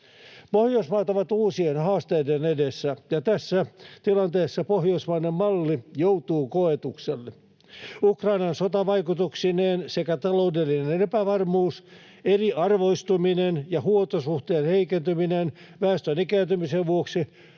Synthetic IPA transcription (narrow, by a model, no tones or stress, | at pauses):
pohjoismɑːt̪ɑʋɑt̪uːsienhɑːst̪eidenedesːæjɑt̪æsːæt̪ilɑnt̪eːsːɑpohjoismɑːnemmɑlːijowt̪uːkoet̪ukselːe | ukrɑinɑnsot̪ɑʋɑjkut̪uksineːnsekæt̪ɑloudelːinenepæʋɑrmuːs | eriʔɑrʋoist̪uminenjɑhuot̪osuht̪eːnheikent̪yminen | ʋæːst̪ønikæːnt̪ymiseʋʋuoksi